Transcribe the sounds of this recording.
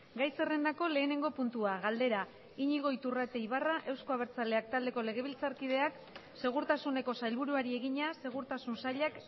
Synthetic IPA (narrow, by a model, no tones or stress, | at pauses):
ɡajse̞re̞nd̪ako̞le̞ːne̞ŋɡo̞punt̪uaɣald̪e̞ɾa | iɲiɣo̞jt̪urat̪e̞jβaraʔe̞wsko̞aβe̞ɾt͡sale̞ak̚t̪ald̪e̞ko̞le̞ɣ̞e̞β̞ilt͡saɾkið̞e̞ak | se̞ɣ̞uɾt̪asune̞ko̞sajlβuɾuaɾie̞ɣ̞iɲase̞ɣ̞uɾt̪asunsaʎak